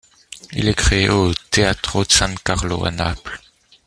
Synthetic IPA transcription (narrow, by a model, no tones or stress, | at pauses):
ḭlɛkχeeot̪eat̪χod̪əsãkaʁlo̰a̰napl